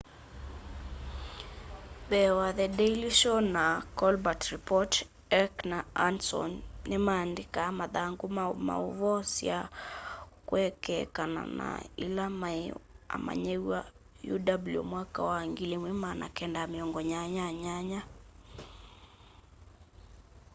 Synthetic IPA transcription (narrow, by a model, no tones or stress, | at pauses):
bɛwaðɛdeiliʃɔnakɔlbatɾipɔt | ɛknaansɔ̰nnemaːndekamaðaŋɡoma̰oβɔsja | kwɛkɛkana̰na̰ḭlamaa̰ma̰ɲewa̰ | jṵdabuljo̰mwakawaŋɡileŋwemana̰kɛndameɔŋɡɔɲaɲaɲaɲa